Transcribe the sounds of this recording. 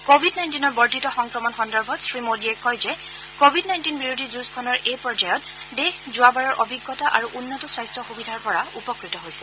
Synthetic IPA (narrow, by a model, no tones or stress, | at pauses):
kobʱidnajntinɔɹbɔɹtitɔxɔŋkɹɔmɔnxɔndɔɹbʱɔtsɹimodiɛkɔjzɛ | kobʱidnaj̃ntinbiɹodʱizuskʰɔnɔɹʔejpɹɔd͡ʒajɔt̚ | dexzʊabaɹɔɹʔɔbʱiɡːɔtaʔa̰ɹuʔunːɔtɔswajstʰɔxubidʱaɹpɔɹaupɔkɹitɔɦojsɛ̥